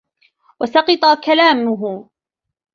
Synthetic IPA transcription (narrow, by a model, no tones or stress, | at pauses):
wasɑqɑt̪ˤɑkalaːmʊɦʊ